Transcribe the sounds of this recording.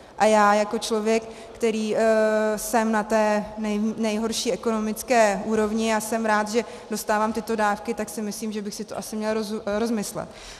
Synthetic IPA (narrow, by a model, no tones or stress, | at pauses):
ʔajaːjako̞t͡ʃlo̞vjɛkː | t̪ɛɾiː | sɛmnat̪ɛːnɛjnɛjɦo̞ɾʃiːʔɛko̞no̞mɪt͡skɛːʔuːɾo̞vɲɪasɛmɾaːt̪ʒɛ | do̞st̪aːvaːmt̪ɪt̪o̞daːfkɪt̪aksɪmɪsliːmʒɛbɪxsɪt̪oʔasɪmɲɛlɾozɾo̞zmɪslɛ̰t̪̚